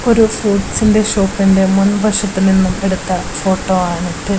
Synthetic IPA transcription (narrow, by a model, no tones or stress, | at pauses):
o̞ɾufuːɖsinde̞ʂoːpːinde̞munːubɐʂɐt̪ːilninːume̞ɽut̪ːɐ | fo̞ːʈːo̞ːaːɳiʈːɨ